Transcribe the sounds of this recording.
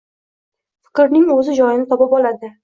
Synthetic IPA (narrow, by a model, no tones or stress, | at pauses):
fɪ̥kɾnɪŋɵzɪd͡ʒɒjɪnɪt̪ʰɒpɪpɒlad̪ɪ